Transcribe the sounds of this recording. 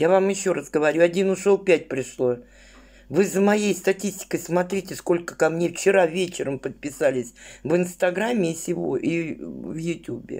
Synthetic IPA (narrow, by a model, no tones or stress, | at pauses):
javamjɪɕːo̞ɾasɡəvɐɾʲuɐdʲinʊʂolˠpʲæt̚ʲpɾʲɪʂlˠo | vɨzəmɐjejst̪ɐtʲisʲtʲɪ̥kəjsmɐt̪ɾʲitʲɪsko̞lʲkə̥kɐmnʲe̞ft͡ɕɪɾavʲet͡ɕɪɾəmpət̪̚pʲɪsalʲɪsʲvɨnst̪ɐɡɾamʲːɪːsʲɪvo̰ʔivjʊtʲubʲɪ̰